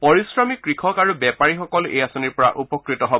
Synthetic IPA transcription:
pɔɹisɹɔmikːɹikʰɔkaɹubɛpaɹixɔkɔlḛjasɔniɹpɔɹa̰ʔupɔkɹitɔɦɔb

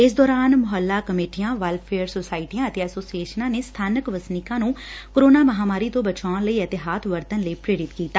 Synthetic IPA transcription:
ɪs̬d̪ɔːɾaːnmʊɦəlːaːkəmeːʈijãːʋəlpʰeːəɾsoːsaːɪʈiãːət̪eɛsoːsieːʃənãːneːst̪ʰaːnəkʋəsnɪkãːnũːkoɾoːnaːməɦaːmaːɾiːt̪õːbət͡ʃaːnləiːət̪ɪɦaːt̪ʰʋəɾt̪ənləiːpɾeːɾɪt̪kiːt̪ːaː

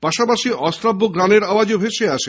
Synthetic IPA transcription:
paʃapaʃiɔst̪ɾabːoɡɾaneɾawad͡ʑobʱeʃeaʃe

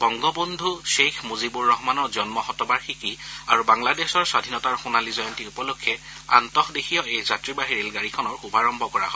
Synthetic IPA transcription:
bɔŋɡɔbondʱuʃexmuzibuɹːɔɦɔmanɔɹzɔnmɔxɔtɔbaɹxikia̰ɹubaŋladɛsɔɹsadʱinɔtaɹxʊnalizɔjɔntiupɔlokʰːjɛ | a̰ntɔxdexʰijɔejzatɹibaɦiɹilɡaɹikʰɔnɔɹxubʱaɹɔmbʱɔkɔɹa̰ɦɔ

